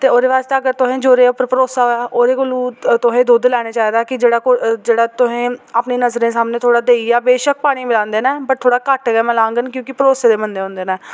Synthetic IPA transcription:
t̪eːoːɾeːʋaːst̪aːəɡəɾt̪ʊɦẽːd͡ʒoːɾeːʊpəɾpəɾoːsaːɦoːaːʔoːɾeːkʊluːt̪ʊɦẽːd̪oːd̪lɛːɽ̃eːt͡ʃaːiːd̪aːkɪd͡ʒeːɽaːkʊd͡ʒeːɽaːt̪ʊɦẽːapneːnəzɾẽːsaːmneːt̪ʰoːɽaːd̪eːiːaːbeːʃək̚paːɽ̃iːmɪlãːnd̪eːnɛ̃ːpəʈ̚t̪ʰoːɽaːkəʈɡɛːmɛ̃ːlãːŋɡənkjõːkɪpəɾoːseːd̪eːmənd̪eːɦõːnd̪eːnaː

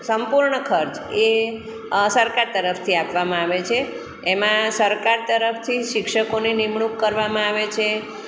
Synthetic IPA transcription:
səmpuɾɳəkʰəɾt͡ʃe | səɾkaɾt̪əɾəft̪ʰiapʋamãaʋet͡ʃʰeː | mãsəɾkaɾt̪əɾəfʰt̪ʰiʃɪkʃəkoninimɳukːəɾʋamãaʋet͡ʃʰe

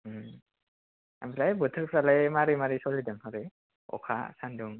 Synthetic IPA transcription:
a̰mɾajbɯtʰɯɾkʰɾalajmaɾimaɾisɔlidɯmhɔɾe | ɔ̰kʰa̰sanduŋ

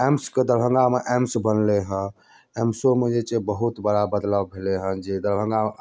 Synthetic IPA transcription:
emsked̪əɾbʱə̃ŋɡameʔemsbənleɦə̃ | emsomed͡ʒet͡ʃebəɦut̪bəɽabəd̪ləbbʱeleɦə̃d͡ʒed̪əɾbʱə̃ŋɡa

